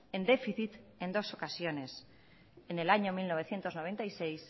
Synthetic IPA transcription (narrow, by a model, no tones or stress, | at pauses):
e̞nd̪e̞fiθit̪e̞nd̪o̞so̞kasjo̞ne̞s | ene̞laɲo̞milno̞β̞e̞θje̞nt̪onoβ̞e̞nt̪ajsejs